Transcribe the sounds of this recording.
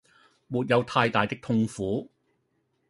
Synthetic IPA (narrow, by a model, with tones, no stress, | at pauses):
muː˨t̚jɐ˨˧wt̪ʰaː˧jt̪aː˨jt̪ɪ˥k̚t̪ʰʊ˧˥ŋfuː˨˥